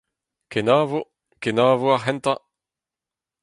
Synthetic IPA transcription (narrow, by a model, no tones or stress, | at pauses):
kenaːvo | kenaːvoaʁɦɛnt̪a